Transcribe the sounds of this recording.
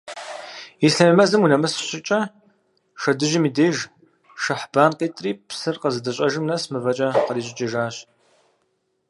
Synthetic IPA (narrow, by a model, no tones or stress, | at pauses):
iɬɐmimɐzɨmunɐmɨsɕɪt͡ʃʼɐ | ʃɐdɨʒɪmiːdeːʒ | ʃɐħb̥aːnqeːtʼriːpsɨrqɐzɨdɐɕʼɐʒɪmnɐsmɨvɐt͡ʃʼɐqəɾiːɕ̬ʼɪt͡ʃʼɪʒaːɕ